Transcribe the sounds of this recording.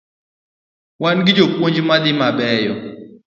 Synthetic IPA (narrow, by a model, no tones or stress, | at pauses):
wanɡɪd͡ʒopwoɲd͡ʒmad̪ɪmabɛjɔ